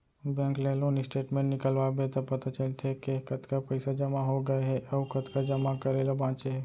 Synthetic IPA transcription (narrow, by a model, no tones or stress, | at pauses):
bɛ̃ːŋkleloːnɪsʈeːʈmẽʈnɪkəlʋabʱet̪ɐpɐt̪at͡ʃɐlt̪ʰekekɐt̪kapɐɪsad͡ʒɐmaɦoɡɐeɦɛɐʋkɐt̪kad͡ʒɐmakɐɾeːlabãːt͡ʃeɦɛː